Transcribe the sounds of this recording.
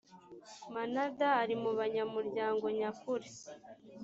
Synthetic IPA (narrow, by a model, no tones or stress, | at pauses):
manadaːɾimuβaɲamuɾɟaːŋɡo̞ɲakuɾe